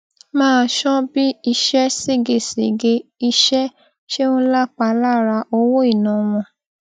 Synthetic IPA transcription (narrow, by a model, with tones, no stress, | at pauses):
mãː˦˧ʃɔ̃˦bi˦i˧ʃɛ˦se˦ɡe˨sḛ˨ɡe˧i˧ʃɛ˦ | ʃe˦ũ˦la˦k͡pa˧la˦ɾa˧ʔo˧wo˦i˦˨nã˨w̃ɔ̃˧˨